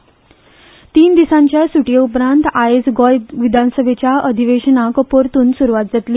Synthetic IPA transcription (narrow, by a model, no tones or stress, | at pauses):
t̪iːnd̪isãɲt͡ɕjasuʈijeupɾãnt̪ajed͡zɡɔjʋid̪ʱansəbʱet͡ɕjaəd̪ʱiʋeɕənakəpoɾt̪uːnsuɾʋat̪̚d͡zat̪liː